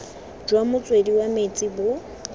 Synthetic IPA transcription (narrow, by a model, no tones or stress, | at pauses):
d͡ʒwamʊt͡sʼwediwamet͡sʼibʊ